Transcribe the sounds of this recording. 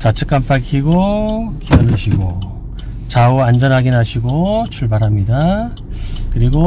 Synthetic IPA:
t͡ɕat͡ɕʰɯ̥k͈ampʰakʰiɡokijʌnɯɕʰiɡo | t͡ɕauand͡ʑʌnɦaɡinɦaɕʰiɡot͡ɕʰuɭbaɾɦamɲida | kɯɾiɡo

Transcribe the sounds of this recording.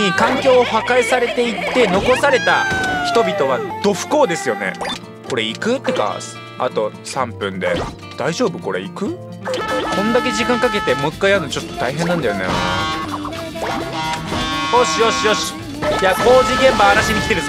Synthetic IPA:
ikãŋkʲo̞ːhakaisaɾe̞t̪e̞it̪ːe̞no̞ko̞saɾe̞t̪açi̥t̪o̞bʲit̪o̞β̞ad̪̥o̞ɸɯ̟̥ko̞ːd̪e̞sɨjo̞ne̞̰ | ko̞ɾe̞ikɯ̟t̪ːeka̰s | a̰t̪o̞ | sãmpɯ̟̃nd̪e̞̰ | d̪̥aiʑo̞ːbɯ̟ko̞ɾe̞̰ikɯ̟ | kʰõ̞nd̪ak̬e̞ʑikãŋkak̬e̞t̪e̞mokːaianot͡ɕo̞t̪ːot̪aiɦẽ̞nːãnd̪ajo̞nḛ | oɕijoɕijoɕi̥ | jako̞ːʑiɡẽmbaːnaɕiɲ̟ikʲi̥t̪eɾs

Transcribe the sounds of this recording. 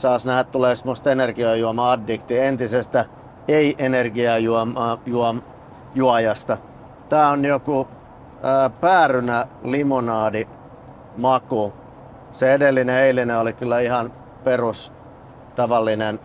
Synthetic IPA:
sɑːsnæhætt̪uleːsemːost̪enerɡiɑːˑjuɑmɑɑdːikt̪ient̪isest̪æ | eiʔenerɡiɑjuɑmɑːjuɑm | juɑjɑst̪ɑ | t̪æːonjoku | əːpæːrynælimonɑːdi | mɑku | seedelːineeilineolikylːæihɑn | perus | t̪ɑʋɑlːinen

